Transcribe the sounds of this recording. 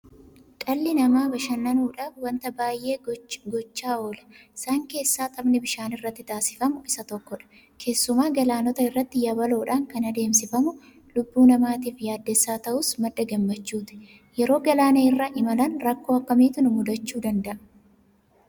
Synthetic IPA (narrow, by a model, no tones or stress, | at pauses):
kʼɐlːɪnɐmaːbɐʃɐnːɐnuːᶑaːfwɐnt̪ɐbaːjʔe̞ːɡɔt͡ʃːaːoːlɐ̥ɪsaːŋke̞ːsːaːt̪ʼɐbnɪbɪʃaːnɪrːɐt̪ːɪt̪aːsɪ̥fɐmʊɪsɐt̪ɔkːɔᶑɐ̥ | kʰe̞ːsːʊmaːɡɐlaːnɔt̪ɐɪrːɐt̪ːɪjɐβɐlo̞ːᶑaːŋkɐnɐd̪e̞ːmsɪfɐmʊ | lʊbːuːnɐmaːt̪iːfjaːd̪ːɛsːaːt̪ɐʔʊsmɐd̪ːɐɡɐmːɐt͡ʃːuːt̪ɪ̥ | jɛɾo̞ːɡɐlaːnɐɪrːɐʔɪmɐlɐnɾɐkːo̞ːɐkːɐmiːt̪ʊnʊmʊd̪ɐt͡ʃːuːd̪ɐnd̪ɐʔɐ̥